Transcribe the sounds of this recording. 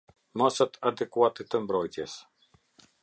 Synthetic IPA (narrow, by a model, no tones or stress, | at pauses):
masat̪ad̪ɛkuat̪ɛt̪əmbɾɔjt̪jɛs